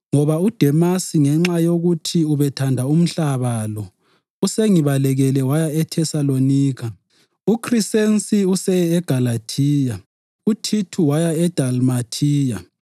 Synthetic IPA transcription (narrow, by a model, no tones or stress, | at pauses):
ŋɔβaud̥ʱɛmasiŋɛŋ͡ǁajoɣutʰiuβɛtʰandʱaum̩ɬaβalɔ | useŋiβalɛɣɛlɛwajaɛtʰɛsaloniːɣa | ukʰrisensiusɛɛɡ̥ʱalatʰiːja | utʰitʰuwajaɛd̥ʱalmatʰiːja̰